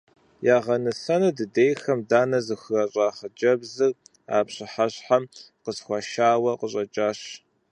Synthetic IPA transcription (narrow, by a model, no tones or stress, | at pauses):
jaːʁɐnɨɬɐnɨdɨdejxɐmdaːnɐzɨxɨrɐɕʼaːχəd͡ʒɐbzɨr | a̰ːpɕɪħaɕħamqəsxʷɑʃaːwɐqəɕʼɐt͡ʃʼaːɕ